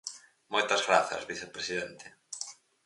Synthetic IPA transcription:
mojt̪ɐzɣɾaθɐ̰zβiθepɾesiðent̪e̥

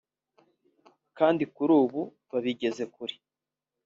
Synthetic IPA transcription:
kaːndikuɾuːβu | βaβiɟe̞ze̞kuɾi

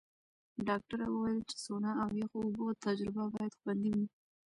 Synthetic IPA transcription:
ɖɑk̚ʈaɾawəwajɪlt͡ʃɪ̥sonɑawwexoːboat̪ad͡ʒɾɪbabɑjad̪xwand̪iwi

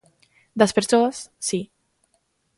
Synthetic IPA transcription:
d̪aspeɾsoəsːi

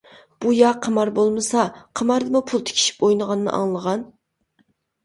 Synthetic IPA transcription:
b̥ujɑqʰəmɑɾbolˠmɨsɑqʰəmɑɾd̪ɨmupʰulˠt̪ʰe̥kʲʰi̥ʃi̥pojnəʁɑnːɨ̰ʔɑ̰ŋlˠəʁɑn

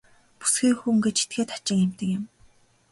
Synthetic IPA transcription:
pu̥sɡiːxuŋɡet͡ɕi̥t̪̚ɡeːt̪ʰḁt͡ɕɪ̆ŋɪm̥t̪ə̆kɪ̆m

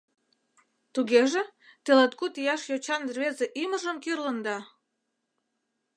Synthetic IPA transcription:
t̪uɣeʒet̪elet̪kut̪ijɑʃjot͡ɕɑnerβezeʔiməʒəmkirlənd̪ɑ

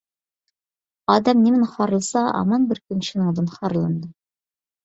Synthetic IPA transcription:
ɑd̪ɑmnimɘnχɑɾlˠsɑɑ̰mɑnbɘɾkɵ̆nɕɘ̆nɤ̆ɴd̪ɤnχɑɾlˠɤ̆nd̪ɤ

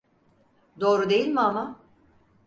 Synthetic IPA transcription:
d̪o̞ːɾud̪e̞jilʲmiama

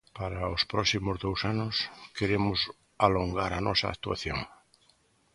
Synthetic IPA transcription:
paɾaospɾɔsimʊzðowsanʊskeɾemʊs | aloŋɡaɾanɔsa̰ːkt̪ua̰θjo̰ŋ

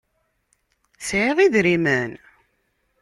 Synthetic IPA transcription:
sʕeðˤiðɾimæn

